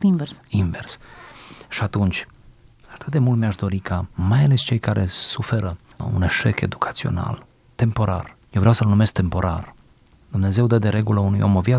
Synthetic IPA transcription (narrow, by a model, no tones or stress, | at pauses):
invesinvers | ʃiat̪unt͡ʃʲ | at̪ɨt̪d̪e̞mult̪mʲiaʃd̪o̞ɾikʰamajale̞st͡ʃe̞jkaɾʔe̞sufe̞ɾə | ṵne̞ʃe̞ke̞̰d̪ukʰḁt̪sio̞̰na̰l | t̪e̞mpo̞ɾa̰rjewvɾeawsəlnume̞sk̚t̪e̞mpo̞ɾa̰r | d̪̥umne̞ze̞wd̪əd̪e̞ɾe̞ɡuləunujo̞̰mo̞vja